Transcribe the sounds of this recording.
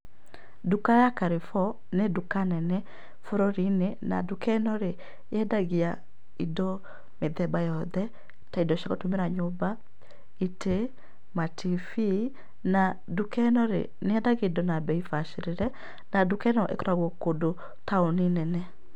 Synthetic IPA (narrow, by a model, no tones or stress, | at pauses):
dukajakaɾefɔ | nedukanɛnɛ | foɾoɾinena̰dukɛnɔɾe | ɛdaɣia | idɔ | meðɛbajɔðɛ | taidɔʃaɣotomeɾaɲoba | ite | matifi | na | dukɛnɔɾḛ | neɛdaɣedɔnabɛifaʃeɾeɾɛ | nadukɛnɔʔḛkɔɾaɣwɔkodo | taoninɛnɛ